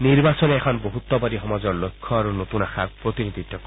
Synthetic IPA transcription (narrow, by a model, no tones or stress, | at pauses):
niɾbasɔneekʰɔnboɦut̪ːɔbaɾiɦɔmazɔɾlojkʰːɔaɾunot̪unaxʰapɾot̪inid̪ʱit̪ʰːɔk